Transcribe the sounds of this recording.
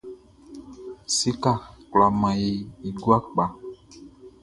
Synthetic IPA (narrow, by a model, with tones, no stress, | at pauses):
si˦ka˦˨kla˨mã˨ji˨i˨ɡu˦a˦k͡pa˨